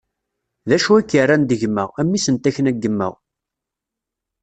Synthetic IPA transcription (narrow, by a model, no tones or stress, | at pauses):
ðæʃuækːərːænd̪əʝmːə̰ʁæmːisənt̪æçənæɡːəmːə̰ʁ